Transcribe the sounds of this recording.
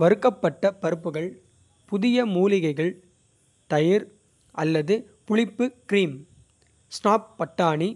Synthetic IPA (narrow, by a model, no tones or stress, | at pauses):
ʋɐɾɯkːɐpːɐʈːɐpɐɾɯpːɯɣɐɭ | pʊðɪjɐmuːlɪɣɐɪɣɐɭ | t̪ɐjɪɾ | ʔɐlːɐðɯpʊɻɪpːɯkɪɾiːm | sʈaːp̚ːɐʈːaːɳi